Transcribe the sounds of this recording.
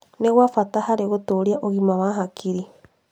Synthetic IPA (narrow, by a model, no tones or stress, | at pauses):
neɣwafatahaɾeɣotoɾiaʔoɣimawaɦakʰiɾi